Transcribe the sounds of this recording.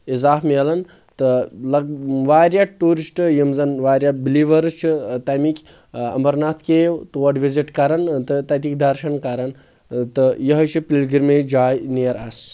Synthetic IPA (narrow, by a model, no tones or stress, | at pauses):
izaːfmeːlɐn | t̪ɨlɐɡ̚ʋaːɾʲjaʈuːɾisʈɨjimzɐnʋaːɾjabiliʋɐɾt͡ʃʰit̪ɐmikʲ | ɐ̰mbɐɾnaːt̪ʰkewt̪uʋɐɖʋiziʈkɐɾɐnt̪ɨt̪ɐt̪ikd̪ɐɾʃɐnkɐɾɐn | t̪ɨjɐɦɐt͡ʃʰipilɡiɾmed͡ʒaːjnijɐɾɐs